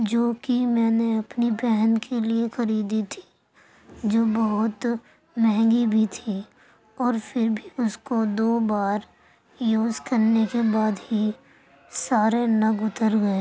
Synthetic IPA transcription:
d͡ʒoːkimɛ̃ːneɐpnibɛɦnkʰeliexɐɾiːd̪it̪ʰi̥ | d͡ʒoːbɐɦʊt̪ | mɛ̃ɦɛ̃ŋɡibʱit̪ʰi | ɔːɾfɪɾbʱiʊskod̪oːbaːɾ | joːzkɐɾnekebaːd̪ɦi | saːɾenɐɡʊt̪əɾɡɐeː

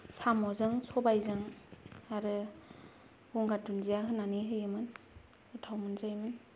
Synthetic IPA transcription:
samɔzɯŋsɔbajzɯŋaɾɯ | ɡuŋɡatunzijaɦɯnːaniɦɯjɯmɯn | ɯtʰawmɯnzajmɯn

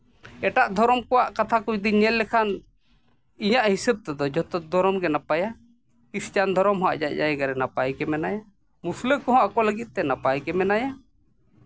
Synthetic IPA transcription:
ɛʈaʔd̪ʱɔɾɔmkɔwaʔkat̪ʰakɔd̪iɲɛlːɛkʰan | iɲaʔhisɛb̚t̪ɛd̪ɔd͡ʒɔt̪ɔd̪ɔɾɔmɡɛnapaja | ist͡ʃand̪ʱɔɾɔmɦɔa̰ʔd͡ʒaʔd͡ʒajɛɡaɾɛnapajkɛmɛnaja | musləkɔɦɔ̃akɔləɡit̪̚ˀt̪ɛnapajkɛmɛnaja

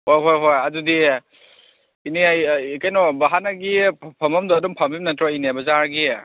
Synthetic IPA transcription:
hojɦojɦojadudi | iniaikajnɔbaɦanaɡipʰamɐmdɔːdɔmpʰamimnatɾɔinebɐzaɾɡi

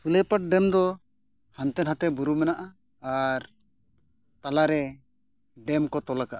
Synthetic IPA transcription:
sulɛpaʈ̚ɖɛmd̪ɔ | hant̪ɛnɦat̪ɛbuɾumɛnaʔaː | ɾ | t̪alaɾɛ | ɖɛmkɔt̪ɔlakaʔa

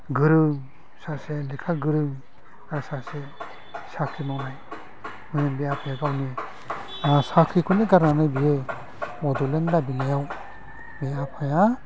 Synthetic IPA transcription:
ɡɯɾɯŋ | saselekʰaɡɯɾɯŋ | aɾsase | sakʰimɔnaj | mɯnɯnbeapʰajaɡawni | asakʰikʰuneɡaɾnanɯjbije | ɔdɔlenlabinajaw | beapʰaja

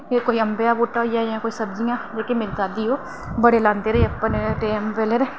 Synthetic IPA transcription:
ekoːiːəmbejaːboːʈːaːjaːjãːkoːiːsəbd͡ʒɪjãːd͡ʒeːkemɪɾt̪aːd̪iːoː | bəɽeːlãːnd̪eːɾeeəpːənʈeːmpeleɾeː

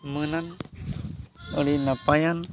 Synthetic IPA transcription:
mənan | əɽinapajan

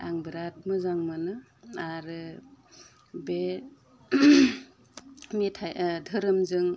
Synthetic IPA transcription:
a̰ŋbɾat̚mɯzaŋmɯnɯ | aɾɯ | be | metʰajdʱɯɾɯmzɯŋ

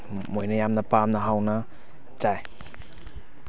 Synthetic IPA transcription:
mojnɐjamnɐpamnɐɦawnɐ | d͡ʒaj

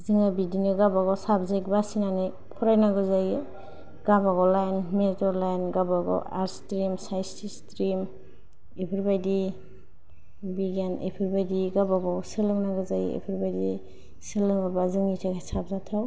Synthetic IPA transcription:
zɯŋabidinɯɡabaɡɔsabzajkbasinanɯj | pʰɔɾajnaɡɯzaj | ɡ̥abaɡɔlajnmetɔɾlajnɡabaɡɔ̰aɾstɾimsajstistɾim | epʰɯɾbajdi | biɡanḛpʰɯɾbajdiɡabaɡɔsɯlɯŋnaɡɯzaj̰ḛpʰɯɾbajdi | sɯlɯŋɯbazɯŋitʰakʰasab̚zatʰaw

